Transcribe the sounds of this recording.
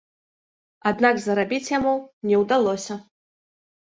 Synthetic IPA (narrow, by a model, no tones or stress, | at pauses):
ad̪nakzɐɾabʲit͡sʲjamunʲɛwd̪alˠɔsʲɐ